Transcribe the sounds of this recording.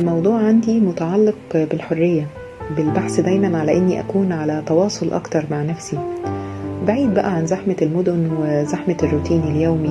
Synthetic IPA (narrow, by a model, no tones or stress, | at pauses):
lmɑwd̪ˤuːʕʕand̪imot̪aʕɑlːeq̚belħorːejːæ | belbaħsd̪æjmænʕalæʔenːiʔæ̰kuːnʕalæt̪ɑwɑːsˤolʔɑ̰kt̪ɑɾˤmaʕnæfsi | baʕiːd̪̚bæʔæʕanzaħmælmod̪onwezaħmerːut̪iːneljoːmi